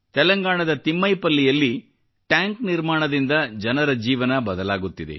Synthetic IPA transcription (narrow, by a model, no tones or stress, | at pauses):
t̪ɛlɐŋɡaːɳɐd̪ɐt̪imːɐjpɐlːijɐlːi | ʈjaːŋkniɾmaːɳɐd̪ind̪ɐd͡ʒɐnɐɾɐd͡ʒiːʋɐnɐbɐd̪ɐlaːɡut̪ːid̪ḛ